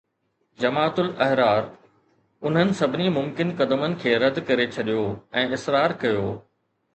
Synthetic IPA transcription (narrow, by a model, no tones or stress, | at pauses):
d͡ʑɐmaːt̪ʊlɐɦɾaːɾ | ʊn̤ɦənɪ̆sɐbʱɪnimʊ̃mkɪnkɐd̪əmənɪ̆kʰeːɾɐd̪kɐɾet͡ɕʰɐɗijoɛ̃ːɪsɾaːɾkɐjoː